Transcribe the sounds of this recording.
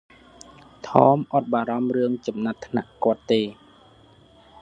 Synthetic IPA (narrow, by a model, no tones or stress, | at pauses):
t̪ʰɑːmʔat̪̚ɓaːɾɑmrɨəŋt͡ɕɑmnat̪ʰːna̰ʔkŏət̪ːeː